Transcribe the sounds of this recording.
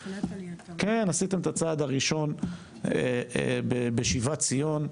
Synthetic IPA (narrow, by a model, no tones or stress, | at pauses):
kenasit̪e̞met̪at͡saːd̪aʁiʃo̞n | eḛbebeʃivat͡sijo̞n